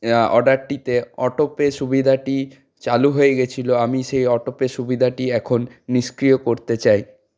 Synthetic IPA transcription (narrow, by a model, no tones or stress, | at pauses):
ɔɖaɾʈit̪eɔʈopeʃubid̪ʱaʈi | t͡ɕaluɦoeɡet͡ɕʰiloamiʃejɔʈopeʃubid̪ʱaʈiɛkʰonːiʃkɾiokoɾt̪et͡ɕaj